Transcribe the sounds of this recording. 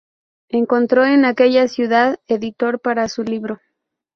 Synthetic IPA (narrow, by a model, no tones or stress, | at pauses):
e̞ŋko̞nt̪ɾo̞e̞nake̞ʝasjuðaðeðit̪o̞ɾpaɾasuliβɾo̞